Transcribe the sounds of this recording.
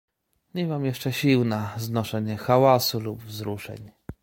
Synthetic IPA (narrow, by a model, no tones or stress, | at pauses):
ɲɛmamjɛʂt͡ʂɛɕiwnaznɔʂɛɲɛxawasulubvzɾuʂɛ̰ɲ